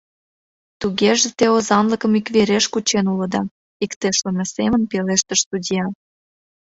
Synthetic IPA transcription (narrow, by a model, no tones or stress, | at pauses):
t̪uɣeʒĕt̪eozɑnləkə̆mikβeɾeʃkut͡ɕenulə̆d̪ɑ | ikt̪eʃlə̆mesemənpeleʃt̪ə̆ʃst̪udʲijɑ